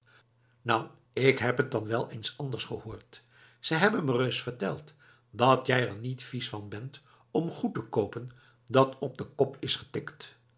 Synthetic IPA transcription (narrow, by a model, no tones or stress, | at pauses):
nɑw | ɪkɦɛpɦət̚dɑnʋɛlˠejnsɑndəɹsχəhoːɹt | səjɦɛbənmərøsfəɹtɛ̰lˠt | dɑtjɛjəɹnitfisfɑnbɛnt | ɔmχutəkowpən | dɑtɔb̚dəkɔpɪsχə̥tɪkt